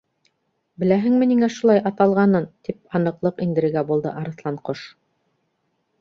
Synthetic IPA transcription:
bɘ̆læɦɘ̆ŋmɘ̆niŋæʃulˠɑjʔɑt̪ɑlˠʁɑnɤnt̪ip̚ɑnɤ̆qlˠɤqind̪ɘ̆ɾɘ̆ɡæbulˠd̪ɤ̰ʔɑɾɤ̆θlˠɑɴqoʃ

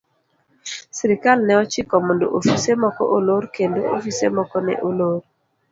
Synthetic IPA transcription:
siɾikalnɛɔt͡ʃikɔmondo̰ʔofisemɔkɔ̰ʔoloɾkendo̰o̰fisḛmɔkɔnɛ̰ʔoloɾ

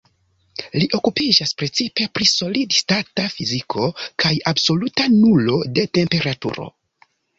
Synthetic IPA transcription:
liʔo̞kupid͡ʒaspɾe̞t͡sipe̞pɾiso̞lidstatafizikʰo̞kʰajabso̞lutanulo̞de̞te̞mpe̞ɾatṵɾo̞̰

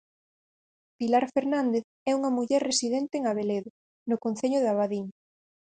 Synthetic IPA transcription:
pilaɾfeɾnãnd̪eθ | ɛuŋɐmuʎɛɾresiðɛnt̪eːŋaβ̞eleðʊ | nʊkon̟θeʎʊðaβaðiŋ

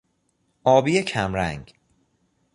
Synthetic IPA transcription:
ʔɒːbiːecʰæmɾæ̰ŋɡ

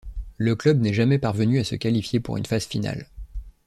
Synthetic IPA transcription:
ləklœbnɛʒamɛpaʁvənyasə̰kalifjepṵʁy̰nfaz̥fina̰l

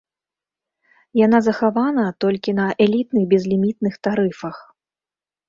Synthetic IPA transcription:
janazɐxavanɐt̪ɔlʲkʲinɐʔɛlʲit̪nɨɣbʲɛzlʲimʲit̪̚nɨxt̪aɾɨfɐx

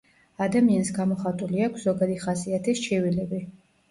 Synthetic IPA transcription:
ad̪amiansɡamɔχat̪ʼuliakʷʰz̥ɔɡad̪iχasiat̪ʰist͡ʃʰɛvilɛbi

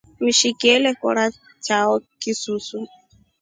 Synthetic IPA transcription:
miʃikɛlɛkɔ̰ɾa | t͡ʃaɔkisusu

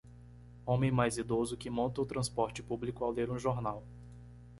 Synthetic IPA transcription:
õmẽj̃majzid̪ozʊkɪmõnt̪ɐʊt̪ɾɐ̃spɔɾt͡ʃɪpublikʊawleɾũʒoɾnaw

